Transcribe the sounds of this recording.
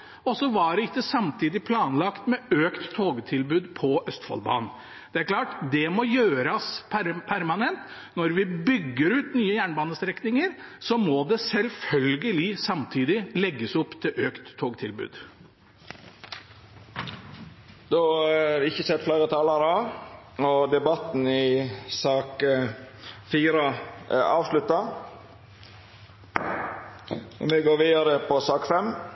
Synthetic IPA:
ɔsɔʋɑɖɛɪkːəsɑmt̪ʰiːd̪ɪpʰlɑːnlɑkt̪mɛøːkt̪ʰːoːɡət̪ʰɪlbʉːd̪pʰɔʔœst̪fɑ̰lbɑ̰ːnn̩ | d̪̥ɛæɾkʰlɑːʈd̪ɛmɔjøːɾɑspʰæɾpʰæɾmɑnɛnt̪ | nɔɾʋɪbʏɡːəɾʉːt̪nyːəjæːɳbɑːnəst̪ɾɛknɪŋəɾsɔmɔd̪ɛsɛlfœlɡəlɪsɑmt̪ʰiːd̪ɪlɛɡːəsɔpːt̪ʰɪlʔøːkt̪ʰːoːɡət̪ʰɪlbʉ̰ːd̪ | d̪ɔæɾɪçəsɛt̪ːfleːɾət̪ʰɑːlɑɾɑ | ɔd̪ɛbɑt̪n̩ɪsɑːk | fiːɾəɑːʋʂlʉt̪ːɑ | mɛɡoːʋiːd̪ɑɾəpʰɔsɑːkfɛm

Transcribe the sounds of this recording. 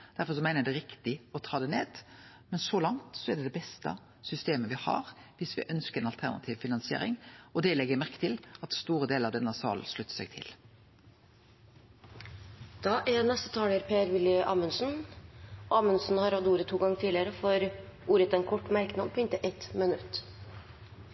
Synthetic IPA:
d̪̥æɾfɔɾsɔmæɪnəd̪ɛɾɪkt̪ɪɔt̪ʰɑːd̪ɛneːd̪̥ | mɛnsɔlɑŋt̪sɔɛɖ̪ɛd̪ɛbɛst̪ə̰ | sʏst̪eːməʋɪhɑ̰ːɾʋɪsʋɪ̰ʔœnskəɛnɑlt̪ʰæʁnɑ̰t̪ʰiːʋfɪnɑnsɪḛːɾɪ̰ŋɔd̪ɛlɛɡːəɾmæɾkə̥t̪ʰɪlɑt̪st̪uːɾəd̪eːləɾɑʋd̪ɛnːəsɑ̰ːlʂɭʉt̪ːə̥sɛɡ̚t̪ʰɪ̰l | d̪̥ɑːʔɛnɛst̪ət̪ʰɑːləɾpʰeːæɾʋɪlɪʔɑːmʉnsn̩ | ɑːmʉnsn̩hɑɾɑd̪uːɾət̪ʰːuːɡɑŋːət̪ʰiːlɪəɾəfɔɾuːɾət̪ɛnkʰɔʈːmæɾkənɑmpʰɔɪnt̪əʔɛt̪mənʉt̪ː

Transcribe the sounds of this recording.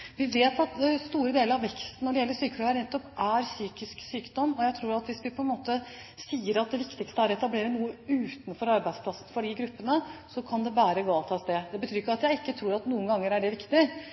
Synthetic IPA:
ʋɪʋeːt̪ɑt̪st̪uːɾəd̪eːləɾɑʋɛkst̪nɔɖɛjɛlːəʂyːkəd̪ɔmæɾnɛt̪ːɔpʔæɾsyːkɪsksyːkd̪ɔmːɔjæɪt̪ʰɾuːɾɑt̪ʋɪsʋɪpʰɔɛnmoːt̪ə | siːəɾɑt̪̚d̪ɛʋɪkt̪ɪkst̪əæɾɛt̪ɑbleːɾənuːəʉːt̪n̩fɔɾɑɾbæɪd̪spʰlɑsən̩fɔɖɪɡɾʉpːənəsɔkʰɑnd̪ɛbæːɾəɡoːɑlt̪ʰɑːst̪eːd̪ɛbət̪ʰyːɾɪkːɑt̪jæɪɪkːət̪ʰɾuːɾɑt̪nuːənɡɑŋːəɾæɖɛʋɪkt̪ɪ

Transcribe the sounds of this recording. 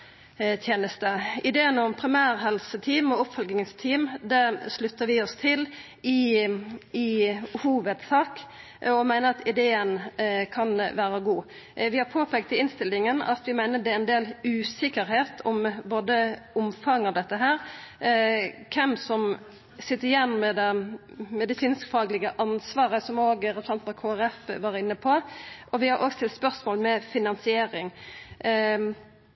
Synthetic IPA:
t̪ʰjeːnəst̪əɪd̪eːənɔmpʰɾɪmæːɾɦɛlsət̪ʰiːmɔʊpfɔlɡɪŋst̪ʰiːmd̪æʂlʉt̪ːəɾʋɪɔst̪ʰɪl | ɪ | ɪhuːʋəd̪sɑːk | ɔmæɪnəɑt̪ɪd̪eːənkʰɑnʋæːɾəɡuː | ʋɪhɑɾpʰoːpʰɛːɡt̪ɪɪnst̪ɪlːɪŋənɑ̰t̪ʋɪmæɪnəd̪ɛæɛɪnd̪eːlʉːsɪkəɾɦeːt̪ʰɔmboːd̪əʊmfɑŋːɑʋd̪ɛt̪ːəɦæːɾ | kʰɛmsɔm | sɪt̪ːəɾɪjɛnːmɛd̪ɛ | mɛd̪ɪsiːnskfɑːɡlɪɡəʔɑnsʋɑːʁəsɔmoːɡɾɛɾəsɑnt̪mɔkʰoːæʁɛfʋɑɾɪnːəpʰɔʔɔʋɪhɑɾʔoːɡst̪ɪlt̪spœɾsmoːlmɛfɪnɑnsɪeːɾɪŋ

